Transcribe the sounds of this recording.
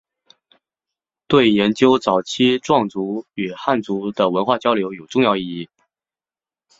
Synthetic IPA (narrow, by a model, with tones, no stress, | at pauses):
t̪we˥˩ɪjɛ˧˥nt͡ɕjo˥ʊt͡sɑ˨˩ʊt͡ɕʰi˥ʈ͡ʂwɑ˥˩ŋt͡su˧˥y˨˩xa˥˩nt͡su˧˥d̪ə˨wə˧˥nxwa˥˩t͡ɕjɑ˥ʊljo˧˥ʊjo˨˩ʊʈ͡ʂʊ˥˧ŋjɑ˥˧ʊi˥˧i˥˩